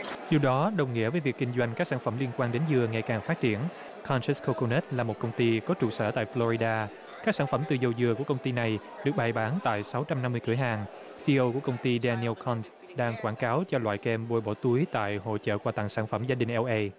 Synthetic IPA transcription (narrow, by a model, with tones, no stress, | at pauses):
zi˨˩ɗɔ˨˦ɗə˨˩wŋḭ˧˥əvəː˨˦jvi˨˩k̚ːkï˧ŋ̟zwa˧jŋ̟kaː˦˥k̚saː˧˩nfə˧˩mli˧ənkwaː˧nɗe˨˦nzɨ˨˩əŋa˨˩jkaː˨˩ŋfaː˦˥t̚t͡ɕi˧˩ən | kʰa˧nt͡ɕɛ˦˥sko˧ko˧ne˦˥t̚laː˨˩mo˨t̚kə˧wŋ͡mt̪i˧kɔ˨˦t͡ɕṵ˨˧˩sə̰ː˧˩t̪a̰ː˧˨jflɔ˧ɾi˧ɗaː˧ | kaː˦˥k̚saː˧˩nfə˧˩mt̪ɨ˨˩zə˧wzɨ˨˩əku˧˩əkə˧wŋ͡mt̪i˧na˨˩j | ɗɨ˨˩ək̚ɓaː˨˩jɓaː˨˦nt̪a̰ː˧˨jsa˨˦wt͡ɕa˧mna˧mːɨ˧əkɨ˧˩əjɦaː˨˩ŋ | si˧ʔə˧ku˧˩əkə˧wŋ͡mt̪i˧ɗɛ˧ni˧lkʰɔ˧nt | ɗaː˧ŋkwaː˧˩nkaː˨˦wt͡ɕɔ˧lwa̰ː˧˨jkɛ˧mɓo˧jɓɔ˧˩t̪u˨˦jt̪a̰ː˧˨jho̰˧˨t͡ɕə̰ː˧˨kwaː˧˩t̪a̰ː˧˨ŋsaː˧˩nfə˧˩mzaː˧ɗï˨˩ŋ̟ʔɛ˧wʔə˧